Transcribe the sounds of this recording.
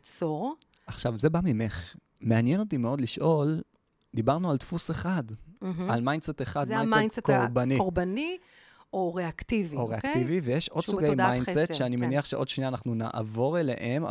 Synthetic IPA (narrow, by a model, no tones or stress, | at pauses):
t͡soʁ | aχʃavze̞bamimeχ | meanjeno̞timeo̞d̪liʃʔo̞l | d̪ibaʁnualt̪fuseχad̪̩ɦalmajndseteχadajnaejtsekoʁbanioʁbani | oʁeakt̪ivioʁeaktivivejeʃo̞d̥̪suɡejmajndsetʃeanimeniaχʃeʔo̞d̥̪ʃnianaχnuna̰ʔa̰vo̞ʁelḛʔem